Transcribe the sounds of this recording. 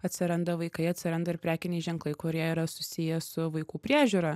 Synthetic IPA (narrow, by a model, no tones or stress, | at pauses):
ɐt̪ʲsʲɪɾɐnd̪ɐʋɐɪkɐɪɐt̪ʲsʲɪɾɐnd̪ɐɪɾpʲɾʲæːkʲɪnʲɛɪʒʲɛŋklˠɐɪkʊɾʲiɛiːɾɐsʊsʲɪjɛsʊʋɐɪkuːpʲɾʲiːʒʲuːɾɐ